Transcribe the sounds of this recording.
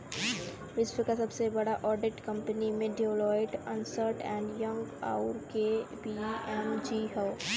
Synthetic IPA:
ʋɪsʋəkasɐbsebɐɽaʔɔːɾɖɪʈkɐ̃mpənimẽɖelɔːɪʈə̃nsəɾʈɛ̃ːɳɖjɐ̃ŋɡa̰ːʊɾkebiɛmd͡ʒiːɦɛː

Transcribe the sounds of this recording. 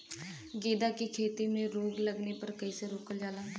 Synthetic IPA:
ɡeːd̪aːkiːkʰeːt̪iːmẽːɾoːɡləɡneːpəɾkəiːseːɾoːkəld͡ʒaːlaː

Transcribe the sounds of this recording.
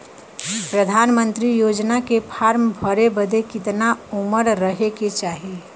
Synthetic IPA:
pɾəd̪ʱaːnmə̃nt̪ɾijoːd͡ʒnakepʰaːɾmbʱəɾebəd̪ekɪt̪naʊməɾɾəɦeket͡ʃaːɦie

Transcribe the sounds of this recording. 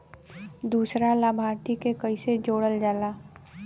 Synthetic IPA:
d̪uːsɾalaːbʱaːɾt̪ikekəised͡ʒoːɽəld͡ʒaːlaː

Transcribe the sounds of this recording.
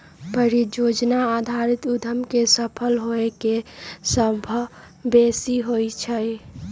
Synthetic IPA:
pəɾid͡ʒod͡ʒnaad̪ʱaɾɪt̪ʊd̪ʱəmkesəpʰəlɦoekesəbʱə | besiɦoit͡ʃʰəi

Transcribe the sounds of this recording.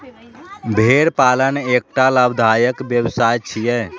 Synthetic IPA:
bʱeɾpalənek̚ʈaləbd̪ʱajəkbjəwsajt͡ʃʰijɛ

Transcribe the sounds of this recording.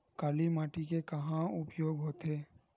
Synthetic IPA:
kaːlimaːʈikekɐɦãʊpjoːɡɦoːt̪ɦeː

